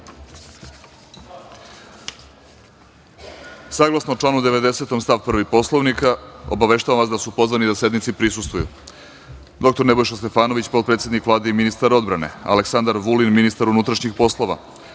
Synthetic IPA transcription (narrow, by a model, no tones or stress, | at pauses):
saɡlˠasnoot͡ʂlˠaːnud̪eʋe̞d̪e̞se̞t̪o̞mst̪aʋpr̩ʋipo̞slˠoʋnikao̰baʋe̞ʃt̪aʋamʋasd̪asupo̞zvʋanid̪asje̞d̪nit̪sipɾisust̪vujṵ | d̪o̞k̚t̪oɾne̞bo̞jʃast̪e̞faːnoʋit͡ɕpot̪pɾet̪sje̞d̪nikʋlaːd̪eiminist̪aɾo̞d̪bɾane̞̰a̰leksand̪aɾʋulinminist̪aɾunut̪ɾaʃɲixpo̞slˠo̞ʋa̰